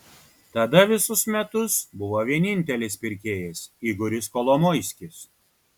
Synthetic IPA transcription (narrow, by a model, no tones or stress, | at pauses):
t̪ɐd̪ɐʋʲɪsʊsmʲɛt̪ʊsbʊʋoːʋʲiɛnʲɪnʲt̪ʲɛlʲɪspʲɪɾʲkʲeːjɛsiːɡʊɾʲɪskɔlˠɔmɔɪsʲkʲɪs